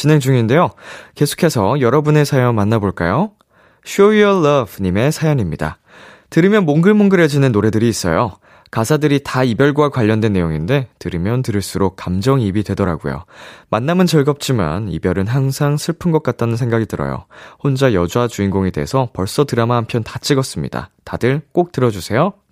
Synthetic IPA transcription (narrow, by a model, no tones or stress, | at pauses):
t͡ɕine̞ŋd͡ʑuŋinde̞joke̞sʰo̥kʰe̞sʰʌjʌɾʌbune̞sʰajʌŋmanːaboɭk͈ajo | ɕʰoiʌlʌbɲime̞sʰajʌɲimɲida̰ | tɯɾimjʌnmoŋɡɯɭmoŋɡɯɾed͡ʑinɯnːoɾe̞dɯɾiːs͈ʌ̰jo | kasʰadɯɾitaibjʌɭɡwakwaʎːʌndwe̞nːe̞joŋinde̞tɯɾimjʌntɯɾɯɭs͈uɾok̚k͈amd͡ʑʌŋibidwe̞dʌɾaɡo̰jo̰manːamɯnt͡ɕʌɭɡʌp̚t͡ɕ͈ima̰nḭbjʌɾɯnɦaŋsʰaŋsʰɯɭpʰɯnɡʌk̚k͈at̚t͈anɯnsʰe̞ŋɡaɡidɯɾʌ̰jo̰hond͡ʑajʌd͡ʑuad͡ʑuinɡoŋe̞de̞̰esʰʌpʌɭs͈ʌtɯɾamaɦampʰjʌntat͡ɕ͈iɡʌs͈ɯmɲḭda̰tadɯɭk͈ok̚t͈ɯɾʌd͡ʑusʰe̞jo